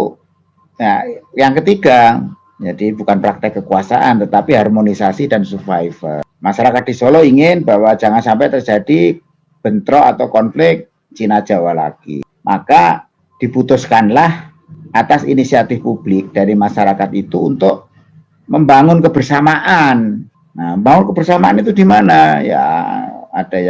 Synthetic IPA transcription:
jajaŋkət̪iɡa | d͡ʒadibukanpɾak̚t̪ɛkːəkuasa̰ʔant̪ət̪apiɦarmonisasidansufajfə̰lmaʃaɾakat̪̚d̥isolɔiŋɪnbawad͡ʒaŋansampajt̪ərd͡ʒadi | b̥ənt̪ɾɔa̰t̪awkɔnflɪk̚ | t͡ʃinḁd͡ʒ̥awala̰ɡ̥ḭ | mʔa̰ka | d̥iput̪ʊskanlah | ʔat̪asḭnisiat̪ɪfpub̥lɪk̚d̥aɾimaʃaɾakat̪̚it̪uṵnt̪ʊʔ | məmbaŋʊnkəbərsamaʔan | naəmbaŋʊnkəbərsamaanit̪udimanaja̰ | ad̥aja

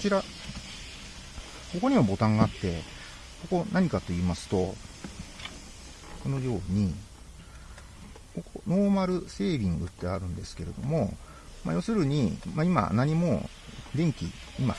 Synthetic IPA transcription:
ot͡ɕiɾa | ko̞ko̞ɲ̟imabo̞t̪ãŋɡaːt̪ːe̞ | ko̞ko̞naɲ̟ikat̪o̞iːmasɨ̥t̪o̞ | ko̞no̞jo̞ːɲ̟i | ko̞kono̞ːmaɾɯ̟se̞ːbʲĩŋɡɯ̟t̪ːe̞aɾɯ̟̃nd̪e̞sɨ̥ke̞ɾe̞d̪o̞̰mo̞ | ma̰jo̞sɨɾɯ̟ɲ̟imaima̰naɲ̟imo̞̰ | d̪ẽ̞ŋkʲḭ | ima

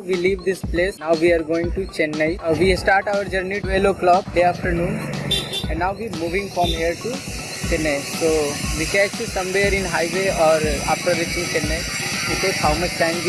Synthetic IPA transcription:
ʋiliʋd̪ɪspleːsnawʋiaɾɡoːɪ̃ŋʈut͡ʃɛnːaɪʋisʈaːɾʈaʊəɾd͡ʒəɾniʈueloklʌb̚deaːfʈəɾnũːnɛ̃nːawʋimuːʋɪ̃ŋɡfɾɔ̃mɦiəɾʈu | t͡ʃɛnajsoːʋikɛʃusɐ̃mʋeɾɪ̃nɦaɪʋeɔːɾa̰fʈəɾːit͡ʃɪ̃ŋt͡ʃɛnːaʋit̪ekʰaʊməst͡ʃãn

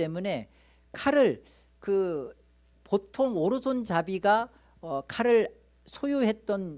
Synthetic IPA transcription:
e̞mune̞ | kʰaɾɯɭ | kɯ | potʰoŋoɾɯsʰont͡ɕabiɡa | ʌkʰaɾɯɭ | sʰojuɦe̞t̚t͈ʌn

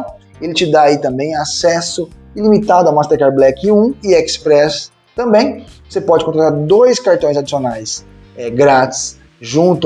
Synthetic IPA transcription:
elɪt͡ʃɪd̪aːit̪ɐ̃mbẽj̃asɛsʊ | ɪlimit̪ad̪ʊawmast̪eɾkaɾblɛkɪũɪɛkspɾɛs | t̪ɐ̃mbẽj̃vosepɔd͡ʒɪkõt̪ɾat̪aɾd̪ojskaɾt̪õj̃zad͡ʒisionajs | ɛɡɾat͡ʃɪ̥s | ʒũnt̪ʊ

